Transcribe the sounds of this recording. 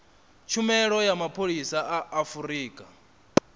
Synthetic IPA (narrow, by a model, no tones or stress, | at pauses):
t͡ʃʰumɛɺɔjamapʰoɺisaʔaʔːfuɾiːkʼa